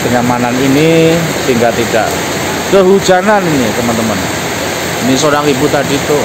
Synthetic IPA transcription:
d̥əŋamananini | siŋɡat̪iɖ̥a̰ʔ | kəɦu̥ʒ̥ananinit̪əmənt̪əmən | inisoɾaŋibut̪adit̪o

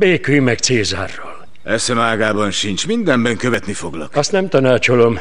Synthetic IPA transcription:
beːkyjmɛkt̪seːzaːrːoːl | ɛsɛmaːɡaːbɒnʃint͡ʃmind̪ɛmbɛŋkøvɛt̪nifoɡlɒkɒst̪nɛmt̪ɒnaːt͡ʃolo̞m

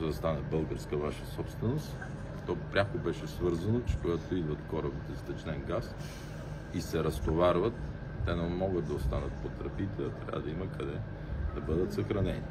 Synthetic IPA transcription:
zɐd̪ɐst̪anəbɤlˠɡəɾskəvaʃəsɔpst̪vɛnost̪ | t̪ɔpɾʲakobɛʃɛsvɤɾzɐnot͡ʃɛ̥koɡat̪oid̪vɐt̪kɔɾəbd̪ɛst̪ɛt͡ʃnɛnɡas | isɛɾɐst̪ovaɾvət̪ː | ɛnɛmɔɡət̪̚d̪ɐost̪anət̪pot̪ɾɐpit̪ɛɐt̪ɾʲa̰bəd̪ɐimɐkɐd̪ɛ | d̪ɐbɤd̪ət̪sɐxɾɐnɛni

